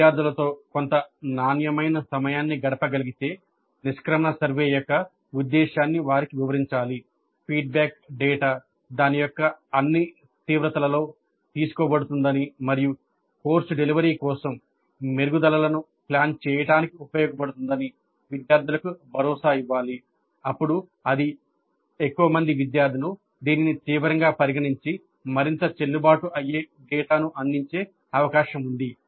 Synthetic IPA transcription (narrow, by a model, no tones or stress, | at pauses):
jaːɾd̪ʱulɐt̪o̞ːko̞nt̪ɐnaːnjɐmɐjnɐsɐmɐjaːnːiɡɐɽɐpɐɡɐliɡit̪e̞ː | niʃkɾɐmɐɳɐsɐɾʋeːjɔkːɐ | ud̪ːɛːʃaːnːiʋaːɾikiʋiʋɐɾiɲt͡ʃaːli | pʰiːɖ̚baːk̚ɖeːʈaː | d̪aːnijɔkːɐɐnːi | t̪iːʋɾɐt̪ɐlɐlo̞ː | t̪iːsu̥kɔːbɐɽut̪und̪ɐnimɐɾiju | ko̞ːɾsuɖeliʋɐɾiːkɔːsɐm | meɾɡud̪ɐlɐlɐnu | plaːnt͡ʃɛːjɐʈaːnikiupɐjɔːɡɐpɐɽut̪und̪ɐni | ʋid̪jaːɾd̪ʱulɐkubʱɐɾɔːsaːiʋːaːli | ɐpːuɽu | ɐd̪i | ekːuʋɐmɐnd̪iʋid̪jaːɾd̪ʱinu | d̪iːninit̪iːʋɐɾɐŋɡaːpɐɾiɡɐɳiɲt͡ʃi | mɐɾint̪ɐt͡ʃe̞lːubaːʈuʔɐjeː | ɖɛːʈaːnuʔɐnd̪iɲt͡ʃe̞ː | ɐʋɐkaːʃɐmund̪i